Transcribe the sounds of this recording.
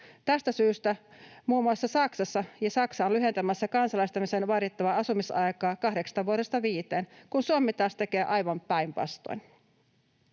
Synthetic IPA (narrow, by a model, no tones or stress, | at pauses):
t̪æst̪æsyːst̪æmuːmuɑsːɑsɑksɑsːɑjɑsɑksɑonlyɦe̞nt̪æmæsːækɑnsɑlɑjst̪ɑmise̞nʋɑɾit̪ːɑʋɑɑsumisɑjkɑːkɑhde̞ksɑ̥st̪ɑʋuoɾe̞st̪ɑʋiːt̪eːnkunsuomːit̪ɑːst̪e̞ke̞ːʔɑjʋɑmpæjmpɑ̰st̪o̰jn